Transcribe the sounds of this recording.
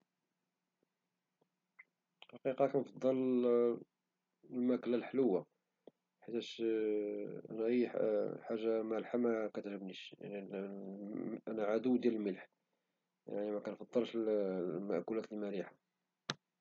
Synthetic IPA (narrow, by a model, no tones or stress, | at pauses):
ħɑqiqɑkænfɑd̪ˤːɑl | lmæklælħləwːa | ħət̪æʃ | ʔæ̰næʔəjːħħaʒːamælħamækæt̪həbniʃja̰ʕni | ʔænæʕad̪uwd̪jæləlməlħ | ja̰ʕnimækænfɑd̪ˤːəlʃlmə̰ʔkulæt̪əlmæliħa